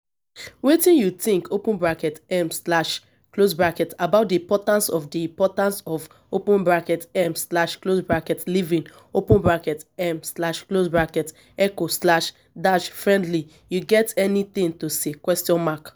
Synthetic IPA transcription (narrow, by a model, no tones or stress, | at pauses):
wetĩnjut̪ĩŋkopũnbɹakɛtɛmslaʃ | klosbɹakɛtabaʊt̚diĩmpɔtãnsɔfdiĩmpɔtãnsɔv | opũnbɹakɛtɛmslaʃklosbɹakɛtlivĩŋ | opũnbɹakɛtɛmslaʃklosbɹakɛt | ɛkoslaʃ | daʃfɹɛ̃ndli | juɡɛtɛnit̪ĩŋtosekwɛstiɔ̃nmak